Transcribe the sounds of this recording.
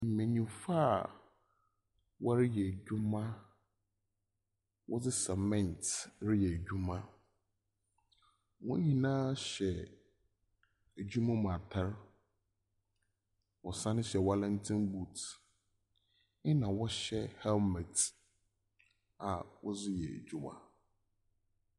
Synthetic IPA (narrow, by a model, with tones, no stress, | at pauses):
m̩˨mẽ˨ɲĩ˨fa˦˨ | wɔ˦ɾɪ˦jɛ˨d͡ʑᶣu˦mã˦ | wʔɔ̰˦d͡zɪ˦sɛ˨mɛ̃˦˨ntɾɪ˦jɛ˨d͡ʑᶣu˦mã˦ | wɔ̃˦n˦hĩ˦nãː˦ɕɛ˨ | æ˨d͡ʑᶣu˦mã˦mã˨tʰa˦ɾ | wɔ˨sã˦nʊ̃˦ɕɛ˨wa˦lɛ̃˦ntʰɪ̃˦nbu˨t | ɪ˦nã˨wɔ˦ɕɛ˦hɛ˦lmɛ˨t | a˨wɔ̰˦d͡zɪ˦jɛ̰˨d͡ʑᶣu˦mã̰˦˨